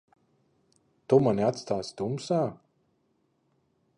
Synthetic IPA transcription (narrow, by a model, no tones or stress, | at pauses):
t̪umanʲiat̪st̪aːt̪sd̪umsaː